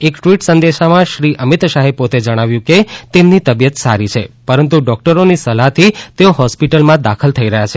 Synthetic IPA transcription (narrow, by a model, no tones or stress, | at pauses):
ekʈʋiʈsə̃nd̪eʃamãʃɾiʔəmit̪ʃaɦepot̪ed͡ʒəɽ̃aʋjũket̪emnit̪əbijət̪saɾit͡ʃʰepəɾənt̪̬uɖɔk̚ʈəɾonisəlaɦt̪ʰit̪eoɦɔspiʈəlmãd̪akʰəlt̪ʰəiɾəɦjat͡ʃʰe